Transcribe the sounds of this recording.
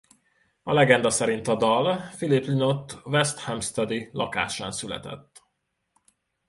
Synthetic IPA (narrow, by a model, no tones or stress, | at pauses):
ɒlɛɡɛnd̪ɒsɛɾint̪ɒd̪ɒlfiliplinot̪ːvɛst̪hɛmst̪ɛd̪ilʔɒ̰ka̰ːʃa̰ːnsylɛ̰t̪ɛ̰t̪ː